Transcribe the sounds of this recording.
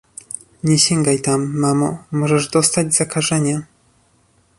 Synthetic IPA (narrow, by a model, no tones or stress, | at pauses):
ɲɛɕɛŋɡajt̪amːamɔmɔʐɛʐd̪ɔst̪ad͡ʑz̥akaʐɛɲa